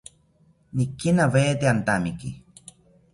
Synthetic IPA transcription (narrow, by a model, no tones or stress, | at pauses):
nikːinaveːt̪eant̪amiki